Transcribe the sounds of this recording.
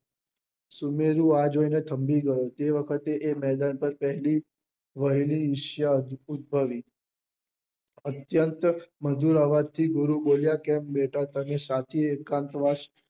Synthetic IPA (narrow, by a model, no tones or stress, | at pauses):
sumeɾũad͡ʒoinet̪ʰəmbiɡəjot̪eʋəkʰət̪eʔemɛd̪anpəɾpəɦli | ʋəɦiliːʃjaud̪̚bʱəʋi | ət̪jənt̪məd̪ʱuɾaʋad̚t̪ʰiɡʊɾuboljakɛmbeʈat̪anesat̪ʰiekãnt̪ʋaʃ